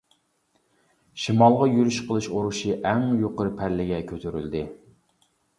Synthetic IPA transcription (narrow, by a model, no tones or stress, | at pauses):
ʃimɑlˠʁɑjyɾyʃqʰəlˠɨʃoɾuʃiʔɛŋjoqəɾɨpʰæɾlɪɡʲɛkʲʰøt̪ʰyɾy̰ld̪ɪ